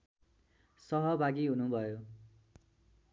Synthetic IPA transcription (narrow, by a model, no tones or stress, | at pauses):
sʌɦʌbʱaɡiɦunubʱʌjo